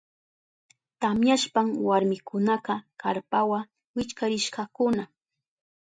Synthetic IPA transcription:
t̪amjaʃpaŋwaɾmɪkʊnɑqɑkaɾpawa | wɪt͡ʃkaɾɪʃɢɑkʊna

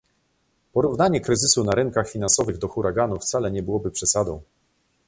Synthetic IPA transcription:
pɔɾuvnaɲɛkɾɘzɘsunaɾɘŋkaxfʲinansɔvɘɣd̪ɔxuɾʔaɡanuft̪salɛɲɛbɘwɔbɘpʂɛsad̪ɔ̰̃w̃

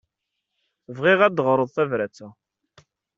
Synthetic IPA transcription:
θvʁiʁæd̪əʁɾˤəðˤθævɾæt͡sːæ

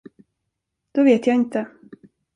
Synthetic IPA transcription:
d̪̥ɔveːt̪jaːɪnt̪ə

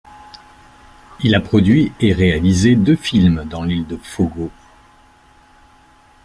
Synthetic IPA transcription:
ilapχɔd̪ɥieʁealized̪øfilmd̪ɑ̃lild̪əfoɡo

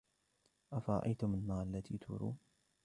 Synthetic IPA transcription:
ʔafɑɾˤɑ̰ʔajt̪ʊmalmaːʔalːat̪ʰiːt̪ʰṵɾṵː

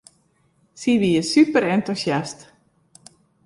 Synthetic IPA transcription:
siʋiəsypəɾɛntusjast

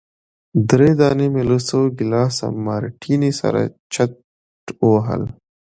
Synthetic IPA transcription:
d̪ɾeːd̪ɑːnemelusowɡilɑːsa̰maɾʈʰinisa̰ɾa̰t͡ʃʰa | ʈowɦə̰l

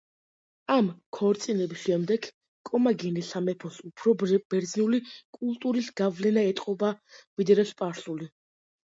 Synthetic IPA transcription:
amkʰɔɾt̪sʼinɛbisʃɛmd̪ɛɡ | kʼɔmaɡɛnisamɛpʰɔsupʰɾɔb̥ɛɾd̪zniulikʼulˠt̪ʼuɾisɡavlɛnaɛt̪ʼqʼɔbavid̪ɾɛspʼaɾsuli

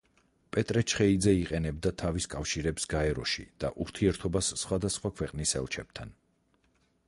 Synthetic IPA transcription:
pʼɛt̪ʼɾɛt͡ʃʰχɛid̪zɛiqʼɛnɛb̚d̪at̪ʰaviskʼafʃiɾɛbsɡaɛɾɔʃḭd̪̥a̰ʔuɾt̪ʰiɛɾt̪ʰɔbasːχwad̪asχwakʰwɛqʼnisɛ̰lˠt͡ʃʰɛb̥̚t̪ʰan

